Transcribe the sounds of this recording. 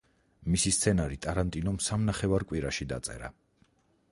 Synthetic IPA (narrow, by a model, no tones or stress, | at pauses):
misist̪sʰɛnaɾit̪ʼaɾant̪ʼinɔmsamnaχɛvaɾkʼwiɾaʃid̪a̰t̪sʼɛ̰ɾa̰